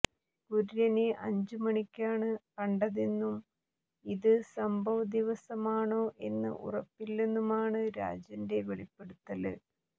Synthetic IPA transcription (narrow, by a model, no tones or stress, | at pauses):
kuɾiɾɐneʔɐɲd͡ʑɨmɐɳikʲːaːɳɨkɐɳɖɐðenːum | iðɨsɐmbʱɐʋɐd̪iʋɐsɐmaːɳoːʔe̞nːɨ̰ʔṵrɐpːilnenːumaːɳɨɾa̰ːd͡ʑɐnde̞ʋeɭipːe̞ɽut̪ːɐlɨ̰